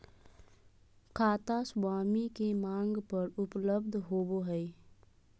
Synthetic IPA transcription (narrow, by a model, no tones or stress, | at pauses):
kʰaːt̪aswaːmikemãːŋɡpəɾʊpləbd̪ʱɦoːboɦɛi